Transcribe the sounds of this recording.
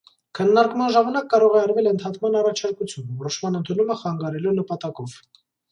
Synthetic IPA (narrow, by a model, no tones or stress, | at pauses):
kʰənːɑɾkmɑnʒɑmɑnɑkːɑɾɔʁɛɑɾvɛlənt̪ʰɑt̪ʰmɑnɑrɑt͡ʃʰɑɾkut͡sʰjunvɔɾɔʃmɑnənt̪ʰunuməχɑŋɡɑɾɛlunəpɑt̪ɑkɔv̥